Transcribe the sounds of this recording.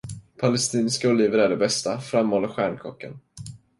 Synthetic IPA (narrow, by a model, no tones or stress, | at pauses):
pʰalɛst̪iːnskaʊliːvəɾæɖɛbɛst̪afɾamːhɔlːaɧæːɳkʰɔkːa̰n